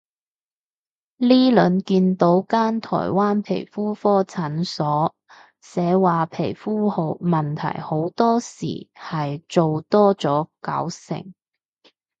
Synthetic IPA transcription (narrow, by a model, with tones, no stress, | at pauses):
liː˥lɵ˨˧˥nkiː˧nt̪o˨˥wkaː˥nt̪ʰɔ̰ː˨˩jwaː˥npʰḛ˨˩jfuː˥fɔː˥t͡sʰɐ˨˥nsɔː˨˥ | sɛː˨˧˥waː˨pʰe˨˩jfuː˥ho˨˧wmɐ˨nt̪ʰɐ̰˨˩jho˨˥wt̪ɔː˥sḭː˨˩hɐ˨jt͡so˨wt̪ɔː˥t͡sɔː˨˥kɐ̰˨˥wsɪ̰˨˩ŋ